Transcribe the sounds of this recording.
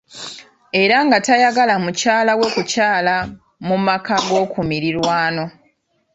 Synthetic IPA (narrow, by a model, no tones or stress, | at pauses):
e̞ɾaŋɡatajaɡalamucaːlawe̞kucaːla | mumakaɡo̞ːkumiɾiɾwaːno̞